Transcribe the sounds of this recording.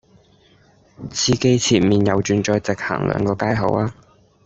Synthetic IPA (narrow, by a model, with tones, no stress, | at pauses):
t͡sʰiː˧ke˥jt͡sʰiː˨˩miː˨njɐ˨˧wt͡ʃyː˨˧nt͡ʃɔː˧jt͡sɪ˨k̚ha̰ː˨˩ŋlœ̰ː˨˧ŋkɔː˧kaː˥jɦo̰˨˧˥waː˥